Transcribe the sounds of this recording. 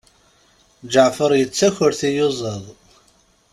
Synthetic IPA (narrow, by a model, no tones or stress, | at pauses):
d͡ʒəʕfəɾˤjət͡sːæçəɾθijʊzˤəðˤ